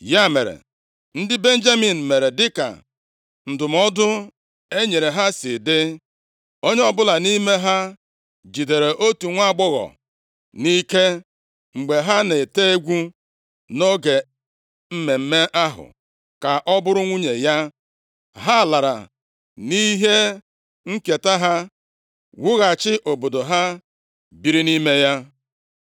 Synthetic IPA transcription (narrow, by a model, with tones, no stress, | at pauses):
ja˦˨mḛ˨ɾḛ˨ | n̩˦dɪ˦be˦n̩˦d͡ʒa˦mi˨n̩˨me˨ɾe˨dɪ˦ka̰˨ | n̩˨dʊ˨m˦ɔ˦dʊ˦ | e˦ɲe˨ɾe˨ɦa˦sɪ˨dɪ˦ | o˦ɲe˦ɔ˦bʊ˦la˨ni˦me˦ɦa˦ | d͡ʒi˨de˨ɾe˨ʔo˦tu˨ŋʷa˦˨ɡ͡bɔ˦ɣɔ̰˨ | ni˦ke˦ | ŋ͡m̩˨ɡ͡be˨ɦa˦ne˨te˦e˦ɡʷu˦ | no˦ɡe˨ | m̩˦me˨m̩˦me˦ʔa˦ɦʊ̰˨ | ka˨ʔɔ˦bʊ˦ɾʊ˦ŋʷu˦ɲe˨ja˦ | ɦa˦˨la˨ɾa̰˨ | ni˦ɦe˦ | ŋ̩˦ke˨ta˦ɦa˦ | wu˦ɣa˨t͡ʃɪ˦ʔo˨bo˨do˨ɦa˦ | bi˨ɾi˦ni˦me˦ja˦